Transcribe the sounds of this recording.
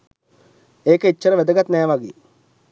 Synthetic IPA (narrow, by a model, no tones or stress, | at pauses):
eːkəit͡ʃːəɾəʋæd̪əɡat̪næːʋaɡḛː